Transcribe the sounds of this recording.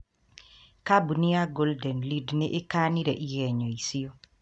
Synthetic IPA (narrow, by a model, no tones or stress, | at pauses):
kabunɪaɡoldɛnlidnɪʔɪkaniɾɛʔijɛɲoisio